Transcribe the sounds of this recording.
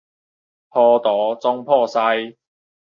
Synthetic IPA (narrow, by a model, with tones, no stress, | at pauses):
pʰɔː˧t̪ɔː˨˦t͡sʊ˥ŋpʰɔː˥˧sa˧˥j